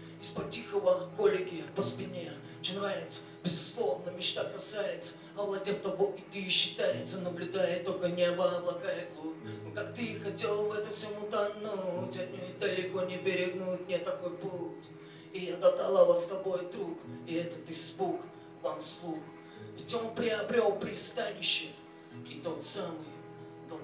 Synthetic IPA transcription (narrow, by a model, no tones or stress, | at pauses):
ispɐtʲixəvəkolʲɪɡʲɪpəspʲɪnʲe | t͡ʃɪnvajʲɪt̪sə̥ | bʲɪzʊslˠo̞vnəmʲɪt͡ɕt̪akɐsajɪt̪sə̥ | ɐvlˠɐdʲeft̪ɐboɪt̪ɨɕːɪ̥t̪ajɪt̪sənəblʲʊd̪ajɪt̪ːolʲkənʲɪɐvablˠɐkajɪk̪lˠunokakt̪ɨxɐtʲe̞lˠvɛt̪əfsʲɪmut̪ɐnutʲɐd̪nʲojd̪əlʲɪko̞nʲɪbʲɪɾʲɪɡnut̪nʲet̪ːɐko̞jpulˠt̪ʲ | iɛt̪ət̪ɐlˠavast̪ɐbo̞jd̪ɾukɪɛt̪ət̪ɨsbuk | vamslˠux | vʲɪtʲo̞npɾʲɪɐbɾʲo̞lˠpɾʲɪst̪anʲɪɕːɪ | it̪ot̪samɨj | t̪o